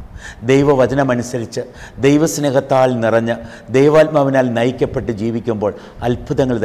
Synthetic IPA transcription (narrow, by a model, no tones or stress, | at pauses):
d̪ejʋɐʋɐd͡ʑɐnɐmɐnusɐɾit͡ɕːɨd̪ejʋɐsnɐːɣɐt̪ːaːɭnirɐɲːɐ | d̪ejʋaːt̪̚mɐʋinaːlnɐjikʲːɐpːe̞ʈːɨd͡ʑiːʋikʲːumbo̞ːɭ | ɐlpʰuðɐŋːɐɭd̪